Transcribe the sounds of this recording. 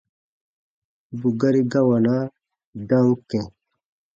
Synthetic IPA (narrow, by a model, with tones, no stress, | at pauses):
bu˨ɡɐ˦ɾi˦ɡa˦wa˨na˦ | d̪a˦wu˦kẽ˨